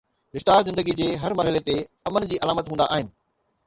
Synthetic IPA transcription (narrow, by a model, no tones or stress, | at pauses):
ɾɪʃt̪aːzɪ̃nd̪əɡid͡ʑeːɦɐɾmɐɾɦɪlet̪e | ɐmənd͡ʑiːʔɐlaːmət̪ɦũnd̪a̰ʔaːɦɪnɪ̆